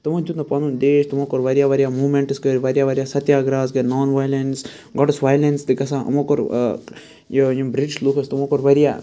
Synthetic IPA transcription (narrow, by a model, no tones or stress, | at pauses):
t̪umɐd͡ʒut̪nɐpɐnund̪eːʃt̪umoːkoɾʋɐɾijaʋɐɾjaːmuːmeɳʈɨskɐɾiʋɐɾjaʋɐɾʲijaːsɐt̪jaːɡɾaːsɡɐnɔːnʋajlens | ɡɔʈɐsʋaːjlensd̪ɨkɐsãːʔɐ̰mokoɾ | jojimbɾit͡ʃlukʰɐst̪umokoɾʋɐɾija̰ː